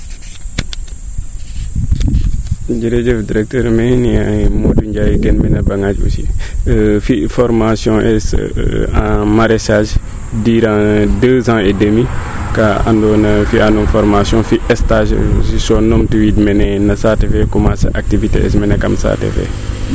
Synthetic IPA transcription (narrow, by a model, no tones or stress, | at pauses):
d͡ʒiɾɛd͡ʒɛfdiɾɛk̚təɾmɛniamoduɲɟajiɡɛnminɐbaŋad͡ʒṵsi | fifɔɾmasjɔ̃ʔɛsãmaɾɛsaʒ | diːɾãdəːzãɛdəmi | kaa̰ndɔnɐfiʔanufɔɾmasjɔ̃fiʔɛstaʒsisɔnɔmtiwiːdmɛnɛnɐsatɛfɛkumasɐ̰ʔak̚tiviteɛ̰smɛnɛkɐ̰msa̰tɛ̰fɛ̰